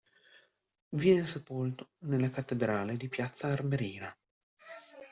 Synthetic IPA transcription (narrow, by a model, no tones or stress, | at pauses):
vjɛːnesepolt̪o̥nelːakat̪ːed̪ɾaːled̪ipjat̪sːaːrmeɾiːna